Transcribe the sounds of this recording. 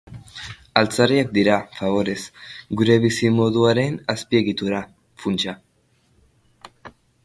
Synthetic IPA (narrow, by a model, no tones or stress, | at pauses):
alt͡sariak̚d̪iɾafaβ̞o̞ɾe̞sɡuɾe̞β̞isimo̞ðuaɾe̞naspie̞ɣit̪uɾa | funt͡ʃa